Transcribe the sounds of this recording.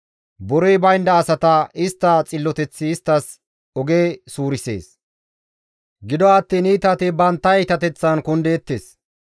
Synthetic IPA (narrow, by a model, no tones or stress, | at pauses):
bɔɾɔjbɐjnd̪ɐːsɐt̪ɐɪst̪ːɐt͡sʼɪlːɔt̪ɛt͡sːɪːst̪ːɐs | ɔɡeːsuːɾɪse̞̰ːs | ɡɪd̪ɔɐt̪ːiːniːt̪ɐt̪ɪbɐnt̪ːɐɛt̪ɐt̪ɛt͡sːɐnkʊnd̪eːt̪ːeːs